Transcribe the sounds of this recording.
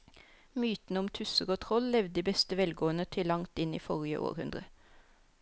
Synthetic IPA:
myːt̪n̩əʊmt̪ʰʉsəʁoːt̪ʰʁɔllɛʋd̪d̪iːbɛst̪əʋɛlɡoːənət̪ʰɪlːɑŋt̪ɪnḭːfɔʁɪə̰ʔo̰ːʁhʉnd̪ʁə

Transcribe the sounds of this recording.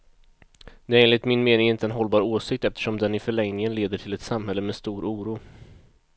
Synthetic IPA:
d̪ɛeːnlɪt̪mɪnmeːnɪŋɪnt̪əɛnɦɔlbɑːɾoːsɪk̚t̪ɛft̪ə̥ʂɔmd̪ɛnɪfœɭɛŋnɪŋənleːd̪əʈʰɪlɛt̪samɦɛlːəmɛːst̪uːɾʔuːɾuː

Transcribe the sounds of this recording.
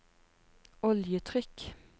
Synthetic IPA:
ɔljət̪ʰʁʏk

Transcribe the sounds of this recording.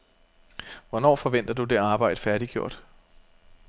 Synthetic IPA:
ʋɒnɒ̰ːfɒ̽ʋen̰d̥ɐd̥ud̥e̝ɑ̈ːb̥ɑ̈ɪ̰d̥əfæɐɾ̥iɡ̥jo̝ɐ̰d̥

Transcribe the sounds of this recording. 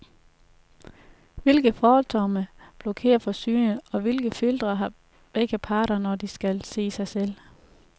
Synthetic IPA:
ʋe̝lɡ̥ð̩ˠfɒːɒlt͡sʰɒməb̥lo̝kʰe̝̰ːɐfɒ̽syːnəɒ̽ʋe̝lɡ̥əfild̥ʁɐɦɑ̈ | b̥eɡ̥əpʰɑ̈ːɾ̥ɐnɒd̥isɡ̥ælse̝̰ːsɑ̈ɪsel̰

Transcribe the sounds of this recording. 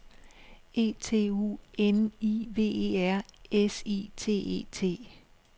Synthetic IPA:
e̝̰ːt͡sʰe̝̰ːṵːeniʋe̝̰ːeːæɐ̰esit͡sʰe̝̰ːe̝̰ːt͡sʰe̝̰ː

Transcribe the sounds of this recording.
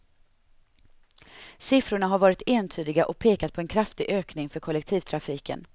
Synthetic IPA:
sɪfɾʊɳaɦaɾvɑːɾɪt̪eːnt̪ʰyːd̪ɪɡaʔɔk̚pʰeːkat̪̚pʰɔɛnkʰɾaft̪ɪɡʔøːknɪŋfœɾkʰɔlɛk̚t̪ʰiːvt̪ʰɾafiːkʰə̰n

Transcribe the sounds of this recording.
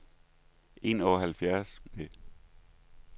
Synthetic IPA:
ʔe̝̰nɒɐɦælfjæɐsme

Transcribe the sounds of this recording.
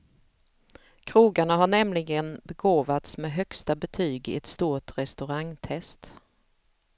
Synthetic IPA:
kʰɾuːɡaɳaɦaɳɛmlɪɡənbɛɡoːvat̪smɛːɦœkst̪abɛt̪ʰyːɡɪ̰ɛt̪st̪uːʈɾɛst̪ɵɾaŋt̪ʰɛst̪

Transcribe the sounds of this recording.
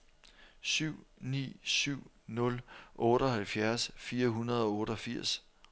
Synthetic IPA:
syʊ̰nḭːsyʊ̰ | nɔ̽lʔɔ̽ːɾ̥ɒ̽hælfjæɐsfiːɐɦunɐð̞ˠɒ̽ɔːɾɒ̽fiɐ̰s

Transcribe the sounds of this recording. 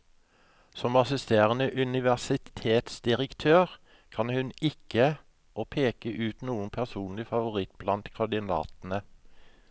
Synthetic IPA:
sɔmɑsɪst̪eːʁənəʔʉnɪʋæsɪt̪ʰeːt̪sd̪̥ɪʁəkt̪ʰøːʁ | kʰɑnhʉnɪkə | oːpʰeːkəʔʉːt̪nuːənpʰæʁsuːnlɪfɑʋʊʁɪt̪̚blɑnt̪kʰɑɖ̪ɪnɑ̰ːt̪n̩ə

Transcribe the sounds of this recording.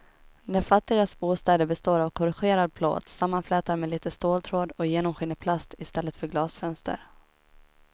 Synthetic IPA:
nɛɾfat̪ːɪɡasbuːst̪ɛːd̪əɾbɛst̪oːɾavkʰɔɾɪɧeːɾad̪̚pʰlo̰ːt̪samːanflɛːt̪aɾmɛliːt̪əst̪oːlt̪ʰɾoːd̪ɔjeːnɔmɧɪnːəpʰlast̪ɪst̪ɛlːət̪fœɾɡlɑːsfœnst̪ʰə̰ɾ

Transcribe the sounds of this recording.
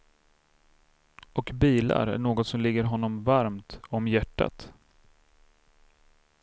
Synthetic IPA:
ɔkbiːla̰ɾæ̰ɳoːɡɔt̪sɔmlɪɡːəɾɦɔnːɔmvaɾmt̪ɔmjæʈːa̰t̪

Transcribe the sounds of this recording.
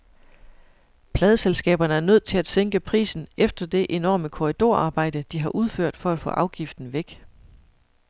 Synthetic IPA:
pʰlɛːðˠəselsɡ̥ɛ̰ːb̥ɐnəæɐnøð̞̰ˠt͡sʰe̝læd̥seŋɡ̥əpʰʁḭːsn̩efd̥ɐd̥e̝ʔe̝nɒ̰ːməkʰo̝ʁid̥o̝ɐ̰ʔɑ̈ːb̥ɑ̈ɪ̰d̥əd̥iɦɑ̈ʔuð̞ˠføɐ̰d̥fɒ̽æd̥fɔ̰̽ːʔɑ̈ʊɡ̥ifd̥n̩ʋeɡ̥

